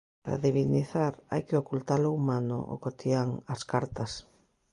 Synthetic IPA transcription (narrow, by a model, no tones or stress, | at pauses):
paɾa̰ðiβiniθaɾa̰jkɪokult̪aloumanʊ̰ʔo̰kot̪iaŋɐskaɾt̪ɐs